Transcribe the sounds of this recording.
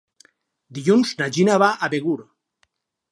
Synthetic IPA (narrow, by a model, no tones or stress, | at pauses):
d̪iʎunznad͡ʒinaβaʔaβeɣuɾ